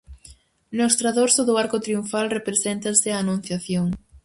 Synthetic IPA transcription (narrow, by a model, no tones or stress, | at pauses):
nost̪ɾaðoɾsʊðʊaɾkʊt̪ɾiuɱfalrepɾesent̪ɐseɐːnũn̟θjaθjoŋ